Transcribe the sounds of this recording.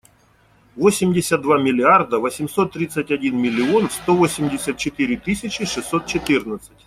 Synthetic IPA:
vosʲɪmʲdʲɪsʲət̪̚d̪vamʲɪlʲɪard̪əvəsʲɪmso̞t̪ːɾʲit̪sətʲɐdʲinmʲɪlʲːɪonfst̪o̞vo̞sʲɪmʲdʲɪsʲət̪̚t͡ɕɪt̪ɨɾʲɪt̪ɨsʲɪt͡ɕɪʂɨsːot̪̚t͡ɕɪt̪ɨrnət̪sə̥tʲ

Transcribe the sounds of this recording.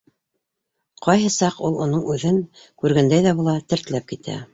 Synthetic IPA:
qɑjɦɤsɑqulˠŏnɤɴʉðɘŋ | kʉɾɡænd̪æjðæβulˠɑt̪ɘ̆ɾt̪ɘ̆læp̚kit̪ʰæ̰

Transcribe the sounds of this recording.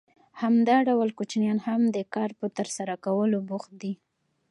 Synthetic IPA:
hamd̪ɑɖawəlkot͡ʃnjɑnhamd̪əkɑɾpət̪əɾsaɾakawəlobʊxt̪̚d̪i

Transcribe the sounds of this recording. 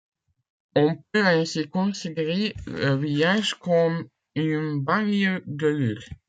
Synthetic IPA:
ɔ̃pøɛ̃sikɔ̃sid̪ʁeləvijaʒkɔm | ynbaŋəd̪əlyʁ

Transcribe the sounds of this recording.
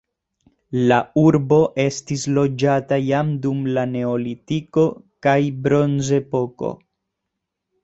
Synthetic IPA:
lauɾbo̞ʔe̞stislo̞d͡ʒatajamdumlane̞olitiko̞kajbɾo̞nze̞po̞ko̞̰

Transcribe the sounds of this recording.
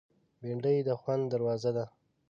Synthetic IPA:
beɳɖəjd̪əxwand̪d̪aɾwɑzad̪a

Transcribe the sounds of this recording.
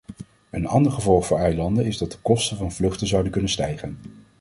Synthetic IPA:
ənɑ̰ndəɹχəvɔlˠχfʊːɹɛjlɑndənɪzdɑt̚dəkɔstənvɑnvlɵχtəzʌwdənkɵnənstɛjχən

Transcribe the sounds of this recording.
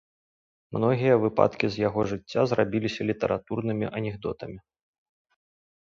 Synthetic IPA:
mnɔɣʲijɐvɨpa̰t̪kʲizʲjaɣɔʐɨt͡sʲːazrabʲilʲisʲɐlʲit̪ɐ̰ɾʔat̪urnɨmʲiʔɐnʲɛɣd̪ɔt̪ɐmʲi

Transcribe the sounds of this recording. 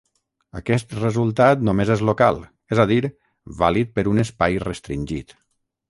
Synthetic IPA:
akɛst̪rezulˠt̪at̪nomezezloka̰lˠ | ezaðiɾ | βalit̪̚pəɾunespajrəst̪ɾinʲʒit̪

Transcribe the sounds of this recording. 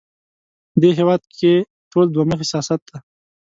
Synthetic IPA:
d̪eɦewɑd̪̚kʰe | ʈʰold̪waməxɪsjɑsat̪̚d̪a

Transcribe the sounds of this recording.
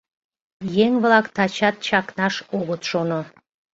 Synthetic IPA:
jeŋβlɑkt̪ɑt͡ɕɑt̪̚t͡ɕɑknɑʃoɣət̪ʃono

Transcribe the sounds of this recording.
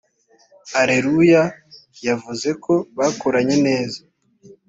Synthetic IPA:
aɾe̞ɾujajavuze̞ko̞βaːkoɾaɲe̞ne̞ːza

